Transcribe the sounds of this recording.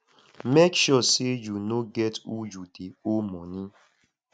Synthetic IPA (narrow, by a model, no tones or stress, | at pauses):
mekʃɔsed͡ʒunoɡɛtud͡ʒudeomɔnĩ